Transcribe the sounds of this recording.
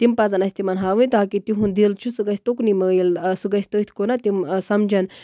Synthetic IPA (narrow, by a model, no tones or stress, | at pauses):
t̪impɐzɐnɐsʲt̪imɐnɦaːʋut̪aːkit̪iɦund̪ilt͡ʃʰusuɡɐsʲt̪oknimɐilsuɡɐsʲt̪ot̪ʰkonat̪imsɐmd͡ʒɐn